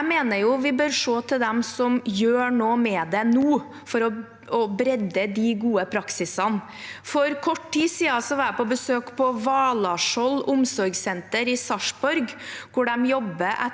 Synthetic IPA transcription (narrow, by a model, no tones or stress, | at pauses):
meːnəɾjʊʋɪbøːɾʂoːt̪ʰɪld̪ɛmsɔmjøːɳoːmɛd̪ɛnuː | fɔɾɔ | ɔbɾɛd̪əd̪iɡuːəpʰɾɑksɪsən | fɔɾkʰɔʈʈiːsiːɑsɔʋæpɔbəsøːkpʰɔʋɑːlɑʂɔlʊmsɔɾɡsɛnt̪əɾɪsɑʂbɔɾɡkʰʊɖɛmjɔbːəʔɛ̰